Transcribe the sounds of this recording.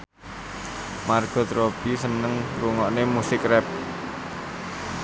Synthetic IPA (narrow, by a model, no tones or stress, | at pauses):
marɡ̥ɔ̤t̪ɾob̥isənəŋɾuŋɔʔnemusɪkrɛp̚